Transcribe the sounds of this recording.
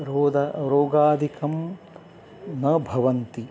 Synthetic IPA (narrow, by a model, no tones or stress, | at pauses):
ɾoːd̪aɾoːɡaːd̪ʱikɐm | nɐbʱɐʋɐnt̪i